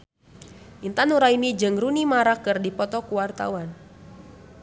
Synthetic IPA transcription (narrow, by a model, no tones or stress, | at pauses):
ʔint̪anuɾainid͡ʒɨŋrunimaɾakɨrdipɔt̪ɔkuwart̪a̰wan